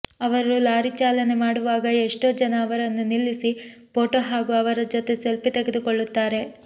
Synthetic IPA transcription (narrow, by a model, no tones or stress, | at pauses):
ɐʋɐɾɾulaːɾit͡ʃaːlɐne̞maːɽuʋaːɡɐeʂʈo̞ːd͡ʒɐnɐːʋɐɾɐnːunilːisi | poːʈoːɦaːɡuɐʋɐɾɐd͡ʒot̪e̞selpit̪eɡed̪ukoɭːut̪ːaːɾe̞